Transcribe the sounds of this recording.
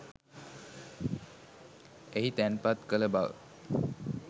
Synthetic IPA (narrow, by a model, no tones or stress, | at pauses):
eɦit̪ænpat̪kələbaʋə̰